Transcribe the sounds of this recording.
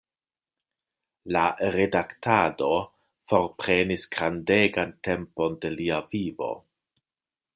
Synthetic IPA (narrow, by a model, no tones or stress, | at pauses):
laɾedaktado̞ | fo̞ɾpɾe̞nisɡɾandeɡante̞mpo̞nde̞liavivo̞̰